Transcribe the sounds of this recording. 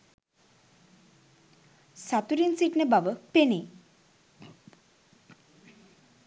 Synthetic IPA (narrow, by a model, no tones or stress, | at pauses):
sat̪uɾinsiʈnebaʋəpene